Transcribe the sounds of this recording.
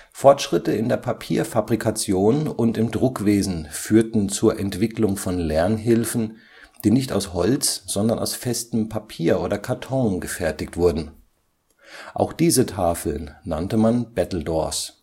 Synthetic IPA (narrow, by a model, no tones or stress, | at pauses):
fɔɐtʃʁ̥ɪtəɪndeːɐpʰapʰiːɐfabʁikʰat͡sjoːnʊntɪmdʁʊkv̥eːzn̩fyːɐtn̩t͡suːɐʔɛntv̥ɪklʊŋfɔnlɛɐnɦɪlfn̩ | d̥iːnɪçta̰ʊshɔlt͡sz̥ɔndɐnʔa̰ʊsfɛstəm̩pʰapʰiːɐʔoːdɐkʰaɐtʰɔŋɡəfɛɐtɪktv̥ʊɐdn̩ | ʔa̰ʊxd̥iːzətʰaːfl̩nːa̰ntəmanb̥ɛtl̩dɔ̰ɐs